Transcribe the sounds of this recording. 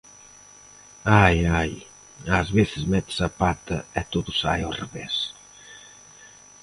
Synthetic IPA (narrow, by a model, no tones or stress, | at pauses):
ajaj | azβeθɪzmɛt̪ɪ̥sɐpat̪ɐ̰ɛt̪oðʊsa̰jɔreβɛs